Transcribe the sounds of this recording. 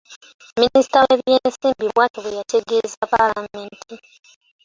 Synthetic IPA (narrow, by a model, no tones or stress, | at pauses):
minisi̥taweβjensiːmbiβwaːtoβejatʰeɡezapalameːntʰi